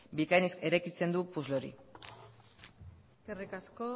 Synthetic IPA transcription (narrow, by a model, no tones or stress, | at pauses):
bikajneske̞ɾajkit͡se̞nd̪upuzloɾḭ | eskerikasko